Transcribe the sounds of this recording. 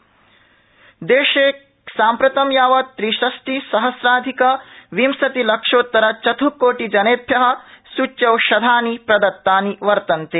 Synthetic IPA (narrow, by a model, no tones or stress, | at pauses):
d̪eːʃeː | saːmpɾɐt̪ɐmjaːʋɐt̪ɾiʃɐsʈisɐɦɐsɾaːd̪ʱikɐʋimsɐt̪ilɐkʂoːt̪ːɐɾɐt͡ʃɐt̪ʰukoːʈid͡ʒɐneːp̪ʰjɐɦɐ̆sut͡ʃːjɐwʃɐd̪ʱaːnipɾɐd̪ɐt̪ːaːniʋɐɾt̪ɐnt̪eː